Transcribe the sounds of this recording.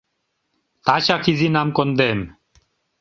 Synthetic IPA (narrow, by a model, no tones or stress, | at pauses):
t̪at͡ɕakʰizinamkond̪em